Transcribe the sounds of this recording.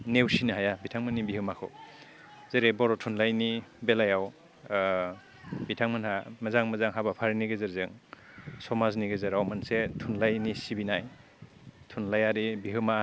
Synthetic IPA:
newsinɯɦajabitʰaŋmɯnːibiɦɯmakʰɯ̰w | z̥eɾebɔɾɔtʰunlajnibelajaw | bitʰaŋmanhamɐzaŋmazaŋɦabapʰaɾiniɡezɯɾzɯŋ | sɔmazniɡezɯɾawmansetʰunlajnisibinaj | tʰunlajaɾibiɦɯma

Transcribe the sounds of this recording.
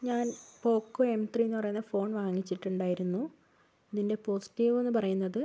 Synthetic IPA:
ɲaːnpo̞ːkːoe̞mt̪rienːɨpɐrɐjunːɐfo̞ːɳʋaːŋːit͡ɕːiʈːuɳɖaːjiɾunːu | ɐðinde̞po̞ːsi̥tːiːʋenːɨp̬ɐrɐjunːɐðɨ

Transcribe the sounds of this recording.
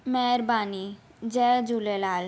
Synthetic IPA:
mɛɾbani | d͡ʑɛd͡ʑulelal

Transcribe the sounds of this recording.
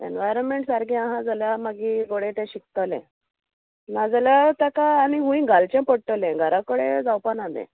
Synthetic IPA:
ḛnʋajɾənmeɳʈsaɾɡĩãɦãd͡zaljamaɡiɡoɽet̪ɛ̃ɕik̚t̪alɛ̰̃ | nad͡zəljat̪akaːniɦũĩɡalt͡ɕɛ̃pəɽʈəlɛ̃ɡʱaɾakəɽed͡zawpanad̪ɛ̰̃

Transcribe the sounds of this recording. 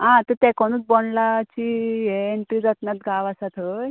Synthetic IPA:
ɦãt̪ət̪ɛkɔñuːt͡sbɔnlat͡ɕiɦeeɳʈid͡zat̪nat̪ɡaʋasat̪ʰəj

